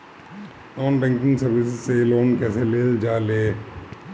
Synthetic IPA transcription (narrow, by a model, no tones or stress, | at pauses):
nɔːnɖɛ̃ŋkɪ̃ŋsɐɾʋɪsɪzseloːnkɛːseleːld͡ʒaːleː